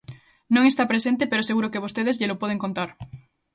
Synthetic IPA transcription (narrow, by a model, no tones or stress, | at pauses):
nõŋest̪apɾesẽnt̪epeɾoseɣuɾokeβ̞ost̪eð̞ezʎelopwoð̞eŋkont̪aɾ